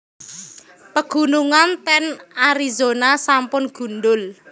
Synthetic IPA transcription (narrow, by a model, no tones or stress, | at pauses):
pəɡ̥ṳnuŋant̪ɛnaɾizonasampʊnɡ̥ṳnɖʊl